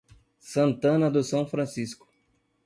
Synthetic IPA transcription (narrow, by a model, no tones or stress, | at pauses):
sɐ̃nt̪ɐ̃nɐd̪ʊsɐ̃w̃fɾɐ̃siskʊ̥